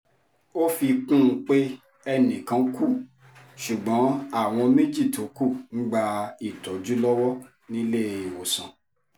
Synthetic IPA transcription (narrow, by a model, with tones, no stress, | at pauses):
o˦fi˧k͡pũ˦˧˦k͡pe˦ | ɛ˧nĩ˨kã˨˧˦ku˦˨ | ʃu˨ɡ͡bɔ̃˨˦a˦˨w̃ɔ̃˧me˦d͡ʒi˦˨to˨˦ku˦˨ñ̩˦ɡ͡ba˧i˨tɔ˨˦d͡ʒu˦lɔ˦wɔ˦ | nĩ˦le˦˨i˨wo˨sã˨